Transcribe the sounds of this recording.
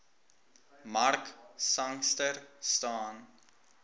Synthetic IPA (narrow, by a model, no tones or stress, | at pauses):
marksɐŋstərstɑːn